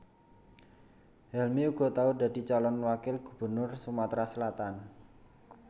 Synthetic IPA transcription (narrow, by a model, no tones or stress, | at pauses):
hɛlmiuɡ̥ɔ̤t̪auda̤di̤t͡ʃalɔnwakɪlɡ̥ṳb̥ə̤rnʊrsumat̪ɾasəlat̪an